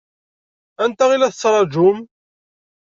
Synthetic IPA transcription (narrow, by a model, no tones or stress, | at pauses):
ænt̪æʁilæθət͡sːɾˤɑd͡ʒʊm